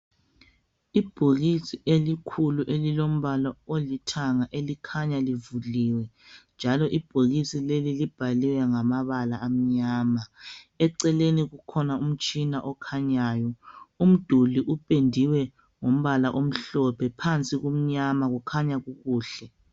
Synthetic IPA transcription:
ib̥ʱoɣisiʔelikʰuluʔelilom̩βalɔolitʰaŋaʔelikʰaɲalivuliːwɛnd͡ʒʱalɔʔib̥ʱoɣisilelilib̥ʱaliwɛŋamaβalaʔːm̩ɲaːma | ɛǀɛleniɣukʰɔnaum̩t͡ʃʼinaʔɔkʰaɲaːjɔum̩d̥ʱuliʔupʼendʱiwɛ | ŋom̩βalaʔom̩ɬɔpʰɛpʰant͡sʼiɣum̩ɲamaɣukʰaɲaɣuɣuːɬɛ

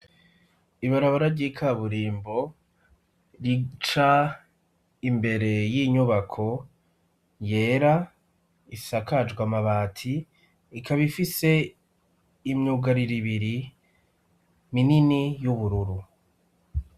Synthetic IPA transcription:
iβaɾaβaɾaɾɟikʰaβuɾiːmbo̞ | ɾit͡ʃa | imbe̞ɾe̞jiɲuβakʰo̞ | je̞ːɾa | isakʰad͡ʒɡwamaβaːtʰiː | kʰaβifise̞ | imɲuɡaɾiɾiβiɾi | mininijuβuɾuɾu

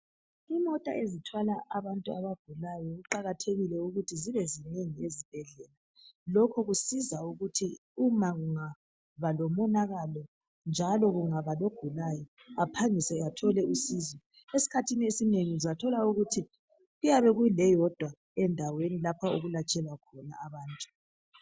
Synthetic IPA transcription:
imɔtʼa̰ʔezitʰwalaʔːβantʼua̰βaɡ̥ʱulajɔɣuǃaɣatʰeɣilɛuɣutʰiziβɛzineŋiezib̥ʱɛɮɛla | lɔkʰɔɣusizauɣutʰiumaɣuŋa | βalɔmɔnaɣalɔ | nd͡ʒʱalɔɣuŋaβaloɡ̥ʱulajɔ | apʰaŋisɛatʰɔlɛusiːzɔ | esi̥kʰatʰiniesineŋizatʰɔlauɣutʰi | ɣujaβɛɣujilɛjɔd̥ʱwa | ɛndʱawenilapʰaoɣulat͡ʃʼɛlakʰɔna̰ːβaːntʼu̥

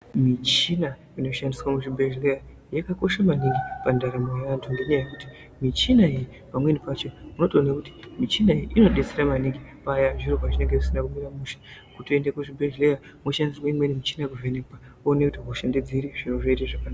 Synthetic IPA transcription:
mit͡ʃina | ino̞ʃandiswamuʐibʱeʒleja | jakako̞ʃamaniŋɡipandaɾamojeʋantʰunde̞ɲajajekuti̥ | mit͡ʃinaiji | pamwe̞nipat͡ʃo̞munotoːnakuti̥mit͡ʃinaiiʔino̞ɗe̞t͡seɾamaniŋɡipaːjaʐiropat͡ʃineŋɡekisinakumiɾamuːʃḁkutoendekuʐibʱeʒleja | moʃandiswaimwenimit͡ʃinak̬uvenekpa | onekutiɦoʃanded͡ziɾiʐinoʐoitaʐakanaa

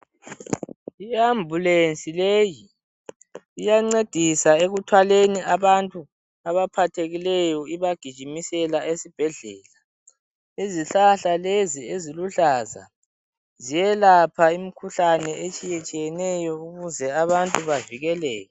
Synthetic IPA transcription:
ijambʱulent͡sʼileji | jaŋ͡ǀed̥ʱisaeɣutʰwaleniaβantʼu | aβapʰatʰeɣilɛjɔiβaɡ̥ʱid̥ʒ̥ʱimisɛlaesib̥ʱɛɮɛːla | iziɬaɬalezieziluɬaza̰ | zijɛlapʰaimikʰuɬanɛet͡ʃʼijɛt͡ʃʼijɛnɛjɔuɣuzɛaβantʼuβaviɣɛlɛːjɔ

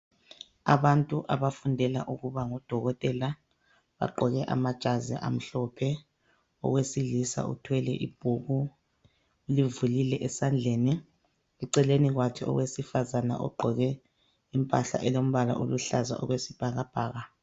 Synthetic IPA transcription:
a̰βantʼuʔaβafundʱɛla̰ʔuɣuβaŋɔd̥ʱɔɣɔtʼɛla | βa̰ɡ͡ǃʱɔɣɛʔa̰mad̥ʒ̥ʱazɛ̰ʔa̰m̩ɬɔpʰɛ | ɔ̰ɣwesilisa̰ṵtʰwɛlɛ̰ʔḭb̥ʱuɣu | livulilɛʔɛsand͡ɮʱeːni | uǀɛleniɣwakʰɛɔ̰ɣwesifazana̰ʔɔ̰ɡ͡ǃʱɔɣɛ | impʼaɬa̰ʔɛlom̩βala̰ʔoluɬaza̰ʔɔ̰ɣwesib̥ʱaɣab̥ʱaːɣa

